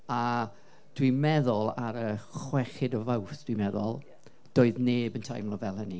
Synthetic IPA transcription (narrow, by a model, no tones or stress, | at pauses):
a | d̥wimɛðʊlˠaɾəχwɛχɪdɔvawθd̥wimɛðʊ̰lˠ | d̥oːɨðneːbəntʰa̰jmlˠɔvɛlˠɦəni